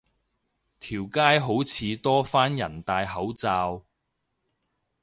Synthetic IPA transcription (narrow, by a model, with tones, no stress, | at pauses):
t̪ʰiː˨˩wkaː˥jɦo˨˥wt͡sʰiː˨˧t̪ɔː˥faː˥njɐ˨˩nt̪aː˧jɦɐ˨˥wt͡saː˧w